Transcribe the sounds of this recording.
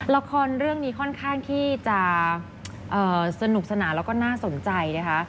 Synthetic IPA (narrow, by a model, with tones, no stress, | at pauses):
la˧˦˥kʰɔː˧nɾɯ˥˩əŋniː˦˥kʰɔ˥˩nkʰaː˥˩ŋt̪ʰiː˥˩t͡ɕa˨˩ʔ | ʔɤː˨˩sa˧nu˨˩k̚sa˧naː˩˦lɛː˦˥wkɔː˥˩naː˥˩so˨˩˦nt͡ɕa˧jna˦˥kʰa˦˥ʔ